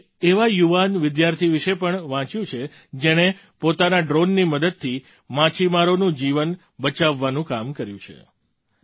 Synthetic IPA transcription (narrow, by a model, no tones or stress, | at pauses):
eʋajuʋanʋɪd̪jaɾt̪ʰiʋiʃepəɳʋãt͡ʃjũt͡ʃʰe | d͡ʒeɽ̃e | pot̪anaɖɾonːiməd̪əd̪̚t̪ʰːi | mãt͡ʃʰimaɾonũd͡ʒiʋən | bət͡ʃaʋːanũkamkəɾjṵ̃t͡ʃʰḛ